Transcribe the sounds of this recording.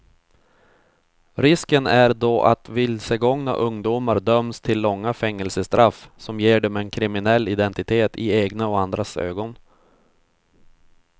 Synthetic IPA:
ɾɪskənæɾd̪ɔʔa̰t̪vɪlsəɡɔŋna̰ʔɵŋd̪uːmaɾɖ̪œmst̪ʰɪlːɔŋːafɛŋːəlsəst̪ɾafsɔmjeːɖɔmɛnkʰɾɪmɪnɛlːɪd̪ɛnt̪ɪt̪ʰeːt̪ɪeːɡnaɔand̪ɾasø̰ːɡɔn

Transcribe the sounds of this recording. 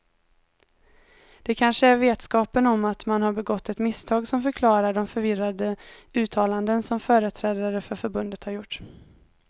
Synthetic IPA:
d̪̥ɛkʰanʂəæɾveːt̪skɑːpənɔmːat̪manhaɾbɛɡɔt̪ːɛt̪mɪst̪ʰɑːɡsɔmfœɾkʰlɑːɾaɖɔmfœɾvɪrad̪əʉ̟ːt̪ʰɑːland̪ənsɔmfœːɾət̪ʰɾɛːd̪aɾəfœɾfœɾbɵnd̪ət̪haɾjʊʈː

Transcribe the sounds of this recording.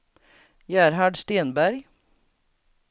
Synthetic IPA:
jæːɾhɑɖst̪eːnbæɾɡ

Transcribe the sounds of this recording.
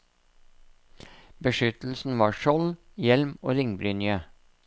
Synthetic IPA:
bəʃʏt̪l̩sn̩ʋɑːʃɔljɛlmo̰ːɾɪŋbɾyːnjøː

